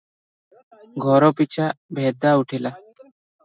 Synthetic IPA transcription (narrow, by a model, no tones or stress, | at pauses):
ɡʱɔɾɔpit͡ʃʰabʱɛd̪auʈʰila